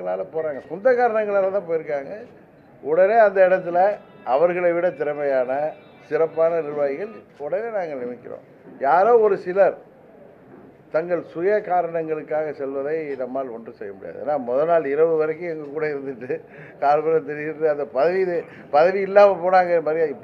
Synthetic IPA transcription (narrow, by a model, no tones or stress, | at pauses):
ɐɭaːlɐpoːɾaːŋɡɐkɔnd̪ɐkaːɾɐɳɐŋɡɐɭaːlɐt̪ãːp̬oːjɪɾɯkːaːŋɡɐ | ɔɽɐneːɐnd̪ɐɪɽɐt̪̬ːɪlɐ | ɐʋɐɾɣɐɭɐɪʋɪɽɐt̪ɪɾɐmɐjaːnɐ | sɪɾɐpːaːnɐnɪɾɯʋaːjɪɣɐɭ | ɔɽɐneːnaːŋɡɐɭnɪmɪkːɪɾõ̰ː | jaːɾoːɔɾɯsɪlɐɾ | t̪ɐŋɡɐɭsʊjɐkaːɾɐɳɐŋɡɐɭɯkːaːɣɐsɛlʋɐðɐɪnɐmːaːlɔndrɯsɛjːɐmʊɽɪja̰ːðɯḛːnːaːmɔðɐnaːɭɪɾɐʋɯʋɐɾɐk̬ːɯ̃ɛŋɡɐkːuːɽɐɪɾɯnd̪ɯʈːɯ | kaːlbɐɾɐt̪ɛɾɪjɪʈːɯɐnd̪ɐpɐðɐʋiðɯ | pɐðɐʋiɪlːaːmɐpoːɽaːŋɡɐnɯmaːɾijaɪpː